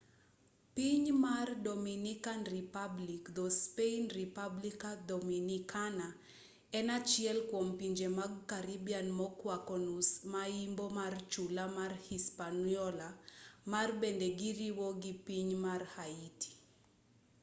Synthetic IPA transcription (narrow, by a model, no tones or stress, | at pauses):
piɲmardɔminikanripablikd̪ɔspeinripablikad̪ɔminikana | ɛnat͡ʃjɛlkwɔmpiɲd͡ʒemaɡkaɾibianmɔkwakɔnusmaimbɔmart͡ʃulamarhispaniɔlamarbendɛɡiɾiwɔɡipiɲmarhaitʰi̥